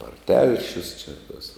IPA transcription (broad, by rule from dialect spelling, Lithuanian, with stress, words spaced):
ɐr ˈtʲɛlʲʃʲʊs t͡ʃʲɛ tɐs